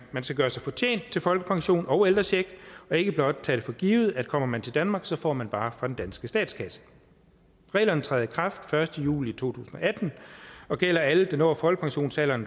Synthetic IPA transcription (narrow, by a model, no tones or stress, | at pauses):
mænsɡ̥æɡ̥ɶːɐsɑ̈ɪfɒ̽t͡ɕʰjḛːnd̥̚t͡sʰe̝lfɒ̽lɡ̥əpʰɑ̈ŋɕo̝̰ːnɒʊeld̥ʁɐɕeɡ̥ɒ̽e̝ɡ̥əb̥lɒ̽d̥̚t͡sʰɛɾ̥e̝fɒ̽ɡ̥iːʊð̩ˠæ̥kʰɒ̽m̰ɐmænt͡sʰe̝ld̥ænmɑ̈ːɡ̥sɒ̽fɒ̰ːmænb̥ɑ̈ːfɑ̈d̥end̥ænsɡ̥əsd̥ɛ̰ːd̥skʰæsə̥ | ʁɛ̰ːlɐnət͡sʰʁɛːð̩ˠəkʰʁɑ̈fd̥fɶɐsd̥əjṵːlit͡sʰo̝̰ːt͡sʰṵːsn̩ɒ̽ʔæd̥n̩ɒ̽ɡ̥el̰ɐæləd̥enɒfɒ̽lɡ̥ə̥pʰɑ̈ŋɕo̝̰ːnsɛlɐn